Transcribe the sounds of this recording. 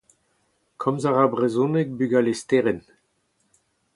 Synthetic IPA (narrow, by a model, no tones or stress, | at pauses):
kʰɔmzaʁabʁezũnek̚byɡalest̪eʁɛn